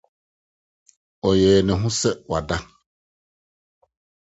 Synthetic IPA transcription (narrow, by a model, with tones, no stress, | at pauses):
ɔ˨jɛː˨nɛ˨ɦũ˦sɛ˦wa̰˨da˦